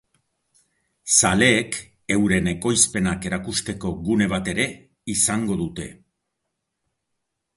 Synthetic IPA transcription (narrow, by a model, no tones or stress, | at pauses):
sale̞ːk | e̞wɾe̞ne̞ko̞jspe̞nake̞ɾakust̪e̞ko̞ɣune̞β̞at̪e̞ɾe̞ | isaŋɡo̞ðut̪e̞